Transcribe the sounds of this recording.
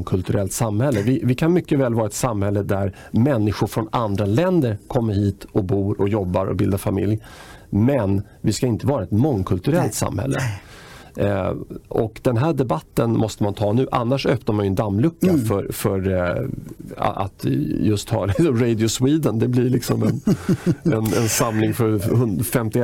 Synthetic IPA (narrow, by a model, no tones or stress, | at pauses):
kʰɵlt̪ɵɾʔɛlt̪samhɛlːəvɪvɪkʰanmʏkːəvɛːlvɑːɾaɛt̪samhɛlːəd̪æɾ | mɛnːɪɧʊɾfɾɔnand̪ɾalɛnd̪əɾkʰɔmːəɾhiːt̪ʰɔbuːɾɔjɔbːaɾɔ̰bɪld̪afamɪ̰ljmɛn | vɪskaɪnt̪əvɑːɾaɛt̪mɔŋkʰɵlt̪ɵɾɛlt̪sa̰mhɛ̰lːə̰ | ɔkd̪ɛnɦæːɖɛbat̪ːənmɔst̪əmant̪ʰɑːnʉ̟ːʔa̰nːaʂœpnaɾmanjɵɛnd̪amːlɵkːafœɾfœɾ | a̰t̪jɵst̪hɑ̰ːlɪsɔmɾɛjd̪ɪʊswiːd̪ənd̪ɛblɪɭɪksɔmɛn | ɛnɛnsamlɪŋfœɾhɵnfɛmt̪ɪ